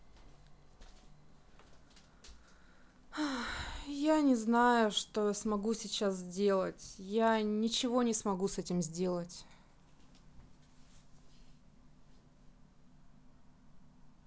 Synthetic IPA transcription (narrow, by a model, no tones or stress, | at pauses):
a | janʲɪznajʊʂt̪osmɐɡusʲɪt͡ɕaszʲdʲe̞lˠətʲjanʲɪt͡ɕɪvo̞nʲɪsmɐɡusɛtʲɪmzʲdʲe̞lˠətʲ